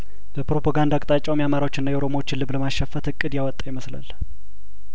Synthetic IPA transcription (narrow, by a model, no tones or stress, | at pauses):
bəpɾopʰaɡand̪akʼt̪ʼat͡ʃʼːawmjamaɾawot͡ʃːɪnːajɛʔowɾo̞mawot͡ʃːɪnlɨβləmaʃːəfːət̪ɨkʼːɨd̪jawɔt̪ʼːajɪməsla̰l